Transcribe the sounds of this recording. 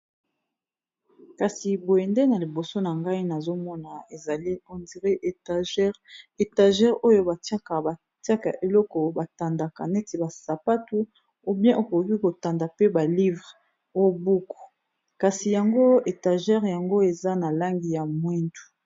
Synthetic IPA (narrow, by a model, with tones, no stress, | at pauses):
ka˨si˨bo˨ɛ˨nde˦na˨li˨bo˨so˦na˨ŋɡa˦i˦na˨zo˦mɔ˦na˨e˨za˨li˦o˨ndi˨ʁe˦ʔʒe˨ta˨ʒɛ˦ʁo˦jo˦ba˨ta˦ka˨ba˨ | ti˦a˦ka̰˨ʔe˨lɔ˦kɔ˨ba˨ta˨nda˨ka˨nɛ˦ti˨ba˨sa˨pa˦tu˦ | u˦bjɛ̃˦ʔo˨ko˨ki˦ko˨ta˨nda˨pe˦ba˨li˦vʁ | o˦˨bu˦ku̥˨ | ka˨si˨ja˨ŋɡo˦e˨ta˨ʒɛ˦ʁja˨ŋɡo˦e˨za˦na˨la˦ŋɡi˨ja˨mwi˦ntu̥˨